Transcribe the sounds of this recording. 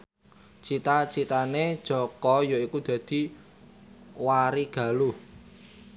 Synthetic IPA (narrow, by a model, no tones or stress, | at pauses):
t͡ʃit̪at͡ʃit̪aned̥ʒ̥ɔ̤kɔjɔikud̪̥ä̤d̪̥i̤ | waɾiɡ̥a̤luh